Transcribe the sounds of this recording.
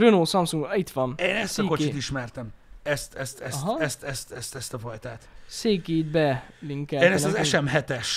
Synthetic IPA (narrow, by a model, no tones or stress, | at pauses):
ønoːsɒmsuŋɡbɒit̪ʋɒneːnɛst̪ɒkot͡ʃit̪iʃmɛrt̪ɛmɛst̪ɛst̪ɛɒɦɛst̪ɛst̪ɛst̪ɛst̪ɒfɒjt̪aːt̪seːkeːd̪̚bɛliŋkɛeːnɛszɛʃʃɛmɦɛt̪ɛʃ